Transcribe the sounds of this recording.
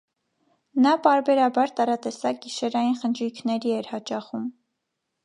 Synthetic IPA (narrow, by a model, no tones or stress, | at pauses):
nɑpɑɾbɛɾɑbɑɾt̪ɑɾɑt̪ɛsɑk̚ɡiʃɛɾɑjinχənd͡ʒikʰnɛɾiɛɾhɑt͡ʃɑχum